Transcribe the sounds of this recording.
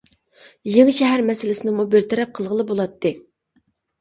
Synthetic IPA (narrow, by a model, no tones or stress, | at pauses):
jeŋʃɛɦæɾmɛsɪlɪsɪnɪŋmubɪɾt̪ʰɛɾɛp̚qʰəlˠʁəlˠɨbolˠɑt̪ʰːɨ